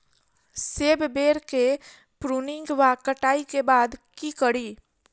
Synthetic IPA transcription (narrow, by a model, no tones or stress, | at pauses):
seːbbeːɾke | pɾunɪ̃ŋɡʋakəʈaːikebaːd̪kikəɽiː